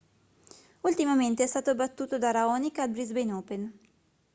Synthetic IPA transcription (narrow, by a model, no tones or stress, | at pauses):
ult̪imament̪eɛst̪aːt̪obat̪ːuːt̪od̪aɾaɔnikabɾizbejnɔːpen